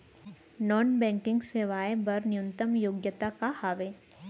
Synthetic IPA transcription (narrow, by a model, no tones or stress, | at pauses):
nɔːnbɛ̃ːŋkɪ̃ŋɡseːʋaːebɐɾnɪjunt̪əmjoːɡjət̪akahaːʋeː